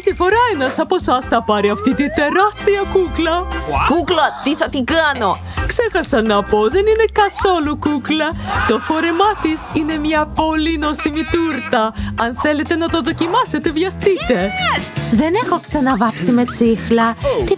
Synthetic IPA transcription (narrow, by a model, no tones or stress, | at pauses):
t̪ifo̞ɾɐenɐsɐpo̞sɐsθɐpɐɾiɐft̪it̪it̪e̞ɾɐst̪iɐkuklɐkuklɐt̪iθɐt̪iɡɐno̞ | kse̞xɐsɐnːɐpo̞ðe̞nine̞kɐθo̞lukuklɐt̪o̞fo̞ɾe̞mɐt̪isine̞mɲɐpo̞linost̪imit̪uɾt̪ɐɐnθe̞le̞t̪e̞nɐt̪oðo̞cimɐse̞t̪e̞vʝɐst̪it̪e̞ | ðe̞ne̞xoksɐnɐvɐpsime̞t͡sixlɐt̪i